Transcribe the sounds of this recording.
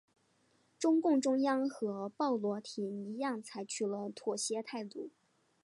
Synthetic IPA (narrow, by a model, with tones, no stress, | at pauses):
ʈ͡ʂʊ˥ŋkʊ˥˩ŋʈ͡ʂʊ˥ŋjɑ˥ŋxɤ˧˥pɑ˥˩ʊlwɔ˧˥t̪ʰi˨˧˩ni˧˥jɑ˥˩ŋt͡sʰa˧˥ɪt͡ɕʰy˨˩lə˦t̪ʰwɔ˨˩ɕjɛ˧˥t̪ʰa˥˧ɪt̪u˥˩